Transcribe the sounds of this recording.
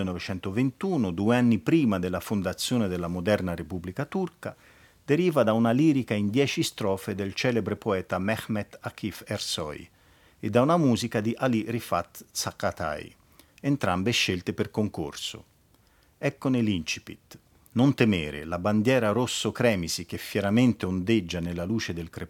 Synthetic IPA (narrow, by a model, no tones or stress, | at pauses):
enɔvet͡ʃɛnt̪ovent̪uːnod̪ueanːipɾiːmad̪elːafond̪at̪sːjoːned̪elːamod̪ɛrnaɾepubːlikat̪urka̰ | d̪̥eɾiːvad̪aunaliːɾikaind̪jɛːt͡ʃist̪ɾɔːfed̪elt͡ʃɛːlebɾepoɛːt̪amɛxmɛt̪akifersɔ̰j | ed̪ːaunamuːzikad̪iʔalirifat̪sakːat̪a̰j | ent̪ɾambeʃːelt̪eperkoŋko̰rso̰ | ɛkːonelint͡ʃi̥pḭt̪ | nont̪emeːɾḛlaband̪jɛːɾaɾosːokɾɛːmisik̟efːjɛɾament̪eond̪ed͡ʒːanelːaluːt͡ʃed̪elkɾe